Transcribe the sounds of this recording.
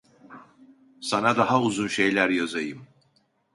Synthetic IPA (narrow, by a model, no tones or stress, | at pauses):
sanad̪aɦauzunʃe̞jlʲæɾjazajɯm